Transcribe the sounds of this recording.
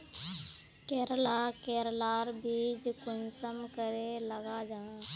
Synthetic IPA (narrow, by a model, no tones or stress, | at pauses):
kɛːɾəlakeːɾlaːɾbiːd͡ʒkʊnsəmkəɾeləɡad͡ʒaː